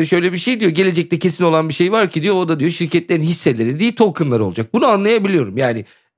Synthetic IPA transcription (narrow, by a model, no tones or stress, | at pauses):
ʃø̞jlʲebiʃe̞jd̪ijo̞ɟe̞lʲe̞d͡ʒɛc̚t̪ɛcʰe̞sino̞lˠanbiʃe̞jvaɾcʰid̪ijood̪ad̪ijo̞ʃiɾcʰɛt̪lʲeɾinɦisːelʲe̞ɾid̪ijit̪ʰo̞kʰɯnlˠaɾɯo̞lˠud͡ʒak̚bunuanlˠajabilʲijo̞ɾumjaːnɪ